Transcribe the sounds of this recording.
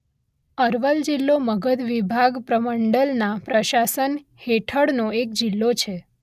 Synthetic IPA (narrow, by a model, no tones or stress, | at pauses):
əɾʋəld͡ʒilːoməɡəd̪ʋibʱaɡpɾəməɳɖəlnapɾəʃasənheʈʰəɽnoek̚d͡ʒilːot͡ʃʰe